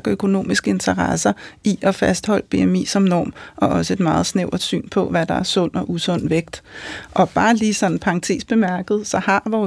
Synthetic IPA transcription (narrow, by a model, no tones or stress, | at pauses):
ɡ̥økʰo̝no̝̰ːmisɡ̥əe̝nt͡sʰɐʁɑsɐiʔɒ̽fæsd̥hɒ̽l̰əb̥e̝emḭːsɒ̽mnɒ̰ːmʔɒ̽ʔɒ̽səe̝d̥mɑ̈ːð̞̩ˠsneʊ̰d̥sy̰ːnpʰɒ̽ʋæd̥ɑ̈æɐsɔ̽n̰ɒʔusɔ̽n̰ʋeɡ̥d̥ʔɒ̽b̥ɑ̈ːliːsɒ̽nn̩pʰɑ̈ŋt͡sʰe̝̰ːsb̥e̝mæɐɡ̥əð̞̩ˠsɒ̽hɑ̈ʋɒː